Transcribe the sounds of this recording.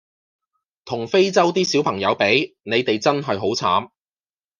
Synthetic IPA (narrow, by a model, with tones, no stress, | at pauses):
t̪ʰʊ˨˩ŋfe˥jt͡sɐ˥wt̪iː˥siː˨˥wpʰɐ˨˩ŋjɐ˨˧wpe˨˥jne˨˧jt̪e˨jt͡sɐ˥nɦɐ˨jɦo˨˥wt͡sʰa̰ː˨˥m